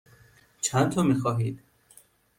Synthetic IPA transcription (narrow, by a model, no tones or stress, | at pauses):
t͡ʃʰænt̪ʰɒːmiːxɒːɦiːd̪̥